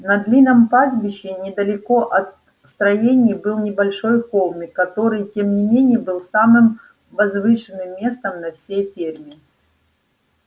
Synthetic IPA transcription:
nɐd̪lʲinəmpazbʲɪɕːɪnʲɪd̪əlʲɪko̞ʔɐt̪̚ | st̪ɾɐjenʲɪjbɨlˠnʲɪbɐlʲʂo̞jko̞lˠmʲɪkːɐt̪o̞ɾɨjtʲemnʲɪmʲenʲɪjəbɨlˠsamɨm | vɐzvɨʂɨnːɨmːʲe̞st̪əmnɐfsʲejfʲermʲɪ

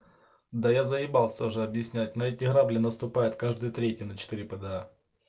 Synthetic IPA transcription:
d̪ajazəɪbalˠsʲt̪oʐɨɐbjɪsʲnʲæt̚ʲnɐɛtʲɪɣɾablʲɪnəst̪ʊpajɪt̪kaʐd̪ɨjət̪ɾʲetʲjənət͡ɕɪ̥t̪ɨɾʲɪpəd̪əa

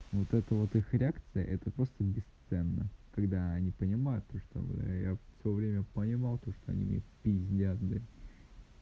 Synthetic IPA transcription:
vot̪ɛt̪əvo̞t̪ɨxɾʲɪakt̪sɨjə̰ʔɛt̪əpɾo̞st̪əbʲɪst̪sɛnːəkɐɡd̪aɐnʲipənʲɪmajʊt̪ːoʂt̪o̰m̰d̪̰jafsʲəjovɾʲemʲəpənʲɪmɑlˠt̪o̞ʂt̪oɐ̰nʲḭmʲḛpʲizʲdʲad̪d̪ɨ

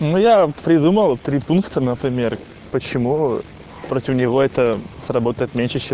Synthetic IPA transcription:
nujapɾʲɪd̪uməlˠt̪ɾʲipunkt̪ənəpɾʲɪmʲer | pət͡ɕɪmu | pɾotʲɪfnʲɪvo̞ɛt̪əsrɐbo̞t̪əjɪt̪mʲenʲʂɨt͡ɕe

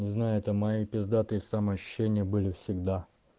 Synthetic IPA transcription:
nʲɪznajʊɛt̪əmɐjipʲɪzd̪at̪ɨɪsaməɐɕːʉ̥ɕːenʲɪjəbɨlʲɪfsʲɪɡd̪a

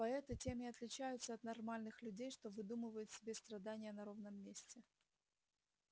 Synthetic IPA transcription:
pɐɛt̪ətʲemʲɪɐt̪lʲɪt͡ɕæjʊt̪səɐt̪nɐrmalʲnɨxlʲʉdʲejʂt̪o̞vɨd̪umɨvəjʊt̪sʲɪbʲest̪ɾɐd̪anʲɪjənɐɾo̞vnəmːʲesʲtʲɪ

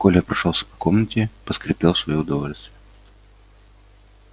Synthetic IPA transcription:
kolʲəpɾɐʂolˠsʲə̥pɐ̥komnətʲɪpəskɾʲɪpʲelˠfsvɐjoʊd̪ɐvolʲst̪və

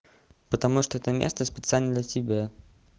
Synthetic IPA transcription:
pət̪amuʂt̪ɔɛt̪əmʲḛst̪əspʲɛt̪sɨalʲnəd̪lʲɐtʲɪbʲe

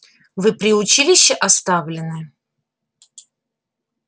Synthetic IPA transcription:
vɨpɾʲɪʊt͡ɕilʲɪɕːɪʔɐst̪avlʲɪnɨ

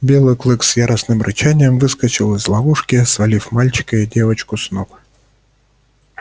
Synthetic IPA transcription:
bʲelˠɨjklˠɨksjaɾəsnɨmɾʔɨt͡ɕanʲɪjəmvɨskət͡ɕɪlˠɪzlˠɐvuʂkʲɪsvɐlʲifmalʲt͡ɕɪ̥kəidʲe̞vət͡ɕkʊsnok

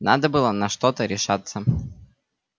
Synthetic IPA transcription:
nad̪əbɨlˠənɐʂt̪ot̪əɾʲɪʂat̪sːə

